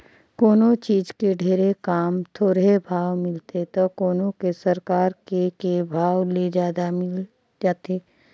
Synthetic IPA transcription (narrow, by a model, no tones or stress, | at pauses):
koːnõt͡ʃiːd͡ʒkeɖʱeːɾekaːmt̪ʰoːɾebʱaːʋmɪlt̪et̪okoːnõkesɐɾkaːɾkekebʱaːwled͡ʒjaːd̪amɪl | d͡ʒaːt̪eː